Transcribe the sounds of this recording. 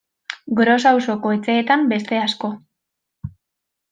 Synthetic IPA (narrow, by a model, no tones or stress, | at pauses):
ɡɾo̞s̬awso̞ko̞et͡se̞ːt̪ambe̞st̪e̞asko̞